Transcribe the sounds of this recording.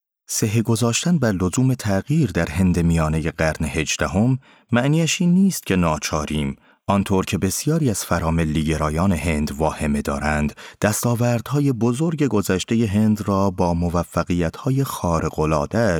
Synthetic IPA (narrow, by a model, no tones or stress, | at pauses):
seɦeɡo̞zɒːʃt̪ænbæɾlo̞zuːme̞t̪ʰæɣiːɾd̪æɾɦe̞nd̪e̞mijɒːne̞je̞ɢæɾnehe̞d͡ʒd̪æɦo̞mː | æʔniːæʃiːnːiːst̪̚cʰe̞nɒːt͡ʃʰɒːɾiːm | ʔɒnt̪ʰoːɾcʰe̞be̞sijɒːɾiːæz̥fæɾɒːme̞lːiːɟe̞ɾɒːjɒːne̞he̞nd̪vɒːhe̞me̞d̪ɒ̰ːɾænd̪̥d̥̪æst̪ɒːvæɾd̪̥hɒːje̞bo̞zo̞ɾɟe̞ɡo̞zæʃt̪e̞je̞ɦe̞nd̪rɒːbɒːmo̞væfːæɣiːjæt̪ʰhɒːje̞xɒːɾeɣolɒ̰ːd̪̥æʃ